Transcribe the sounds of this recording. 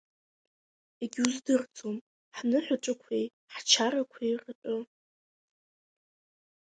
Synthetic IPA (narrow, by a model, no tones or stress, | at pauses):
eɡʲuzdɨrt͡sʼom | ħnɨħʷaʈ͡ʂʼakʷʰej | ħt͡ʃʰaɾakʷʰejrɨtʷʼʊ